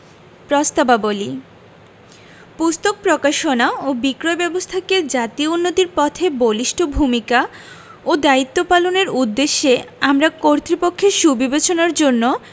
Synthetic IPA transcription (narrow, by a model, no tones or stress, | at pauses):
pɾɔst̪ababoli | pust̪ok̚pɾokaʃonaobikɾoebɛbost̪ʰakeɾd͡ʑat̪iounːot̪iɾpɔt̪ʰeboliʃʈʰobʱumika | od̪ait̪ːopaloneɾud̪ːeʃːeamɾakoɾt̪ɾipokʰːeʃubʱibet͡ɕonaɾd͡ʑonːo